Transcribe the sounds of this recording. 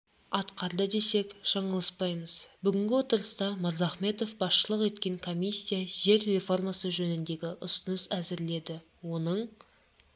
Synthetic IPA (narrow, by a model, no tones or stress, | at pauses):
ɑt̪qɑɾd̪əd̪e̞se̞kʒ̥ɑɴɑlˠɑspɑjməzbʏɡʲɪŋɡʲɪwo̞t̪əɾəst̪ɑmɑɾzɑχme̞t̪ofbɑsʃəlˠəqet̪kʲe̞ŋkʰo̞misʲːijaʒe̞ɾre̞fo̞rmɑsəʒɵnɪnd̪e̞ɡʲɪʔʊsʊnəsæzɪɾle̞d̪ɪ | wo̞nəɴ